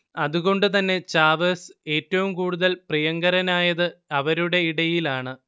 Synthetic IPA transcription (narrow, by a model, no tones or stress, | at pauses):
ɐðuɣo̞ɳɖɨt̪̬ɐnːe̞t͡ɕaːʋɐse̞ːtːɐʋumkuːɽuðɐlprijɐŋɡɐɾɐnaːjɐðɨɐʋɐɾuɽe̞iɽɐjilaːɳɨ